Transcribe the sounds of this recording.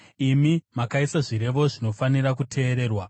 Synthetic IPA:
imimakaisaʐiɾe̞ʋo̞ʐino̞fanirakutʰe̞ːɾeːrwa

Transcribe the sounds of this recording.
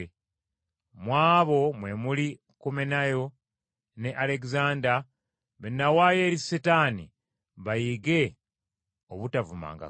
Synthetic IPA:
mwaːβo̞mwe̞muli | komenajo̞ | ne̞ʔale̞kizaːnda | βenːawaːje̞ːɾisetaːnḭ | βajiɡe̞ | oβutavuma̰ːŋɡa̰

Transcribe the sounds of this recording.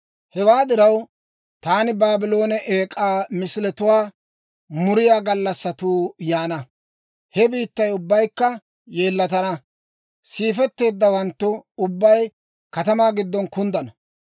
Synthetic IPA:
hɛwaːd̪ɪɾɐw | t̪aːnɪbaːbɪlo̞ːnɛʔeːkʼaːmɪsɪlɛt̪ʊwaː | mʊɾɪjaːɡɐlːɐsːɐt̪uːjaːnɐ | hɛbiːt̪ːɐjʊbːɐjkːɐ | je̞ːlːɐt̪ɐnɐ | siːfɛt̪ːe̞ːd̪ːɐwɐnt̪ːʊʊbːɐj | kɐt̪ɐmaːɡɪd̪ːɔnkʊnd̪ɐnɐ

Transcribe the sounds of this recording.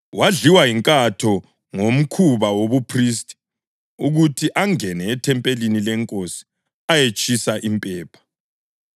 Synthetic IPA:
waɮiwajiŋkʼatʰɔ | ŋom̩kʰuβawoβupʰristʼi̥ | uɣutʰiʔaŋɛnɛːtʰɛmpʼelinilɛŋkʼosi̥ | ajet͡ʃʼisaʔimpʼɛːpʰḁ

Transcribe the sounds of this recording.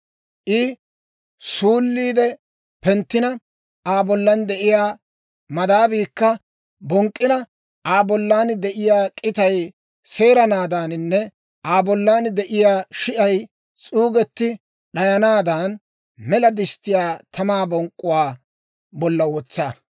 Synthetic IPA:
ʔɪ | suːlːiːd̪ɛ | pɛnt̪ːɪnɐ | aːbɔlːɐnd̪ɛʔɪjaː | mɐd̪aːbiːkːɐ | bɔŋkʼːɪnɐ | ʔaːbɔlːaːnd̪ɛʔɪjaːkʼɪt̪ɐj | se̞ːɾɐnaːd̪aːnɪnːɛ | ʔaːbɔlːaːnd̪ɛʔɪjaːʃɪʔɐj | t͡sʼuːɡɛt̪ːɪ | ɗɐjɐnaːd̪an | mɛlɐd̪ɪst̪ːɪjaːt̪ʰɐmaːbɔŋkʼːʊwaː | bɔlːɐwɔt͡sːaː

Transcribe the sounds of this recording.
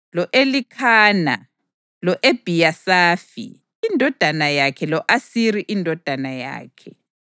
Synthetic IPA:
lɔʔelikʰaːna̰ | lɔʔeb̥ʱijasaːfḭː | ndʱɔd̥ʱanajakʰɛlɔʔasiɾiʔindʱɔd̥ʱanaja̰ːkʰɛ

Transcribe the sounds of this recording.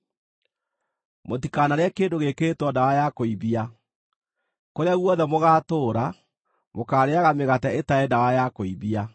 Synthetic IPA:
motikanaɾɛkeːndoɣeketwɔndawajakoiβia | koɾeaɣwɔðɛmoɣaːtoːɾa | mokaːɾeaɣameɣatɛetaɛdawajakoiβia

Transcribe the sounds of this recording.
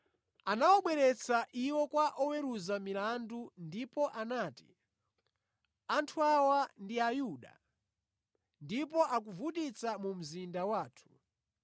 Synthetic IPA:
anawɔɓwɛɾɛt͡sʰaʔiwɔkwaʔɔwɛɾuzamilandundipɔʔanaːti | antʰuawandiajuːɗa̰ | ndipɔʔak̬uvutit͡samum̩zindawaːtʰu̥

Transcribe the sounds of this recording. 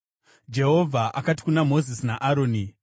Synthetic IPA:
d͡ʒe̞ɦo̞vʱaʔakati̥kunamo̞zisinaʔaɾo̞ːni

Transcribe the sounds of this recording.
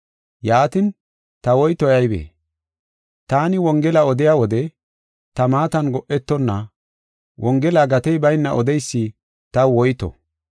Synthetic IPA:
jaːt̪ɪn | t̪ɐwɔjt̪ɔjɐjbḛː | t̪aːnɪwɔŋɡɛlɐɔd̪ɪjaːwɔd̪ɛ | t̪ɐmaːt̪ɐnɡɔʔɛt̪ːɔnːɐ | wʔɔŋɡɛlaːɡɐt̪ɛjbɐjnːɐʔɔd̪ɛjsːɪ | t̪ɐwɔjt̪ɔ̰

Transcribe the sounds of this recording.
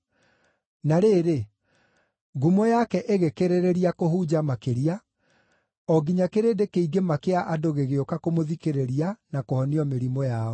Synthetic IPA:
naɾeːɾe | ɡumɔjakɛʔeɣekeɾeɾeɾiakoɦud͡ʑamakeɾia | ɔɡiɲakeɾeːdekeiɡemakeaʔadoɣeɣeokakomoðikeɾeɾianakohɔniɔmeɾimɔjaɔ

